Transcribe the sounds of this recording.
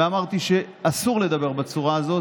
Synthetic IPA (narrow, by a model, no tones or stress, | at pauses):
eamaʁt̪iʃe̞ | asuʁle̞d̪abe̞ʁbat͡suʁaːzo̞